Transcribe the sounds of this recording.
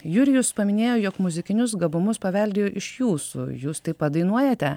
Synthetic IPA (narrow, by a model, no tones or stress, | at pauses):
jʊɾʲɪjʊspɐmʲɪnʲeːjoːjoːkmʊzʲɪkʲɪnʲʊsɡɐbʊmʊspɐʋʲɛlʲd̪ʲeːjoːʔɪʃjuːsṵjuːst̪ɐɪppɐd̪ɐɪnuɔjɛt̪ʲɛ